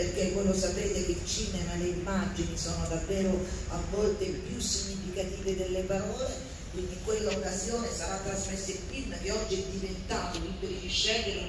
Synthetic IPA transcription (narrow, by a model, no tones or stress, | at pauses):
perk̟evɔjlosapɾeːt̪ekeilt͡ʃiːnemaleimːad͡ʒinisoːnod̪avːeːɾoavːɔlt̪epjusiɲːifikat̪iːved̪elːepaɾɔːle | kwind̪iŋkwelːaokːazjoːnesaɾat̪ːɾazmesːeipiməkeɔd͡ʒːiɛd̪ːivent̪aːt̪okink̪eliʃːɛd̪i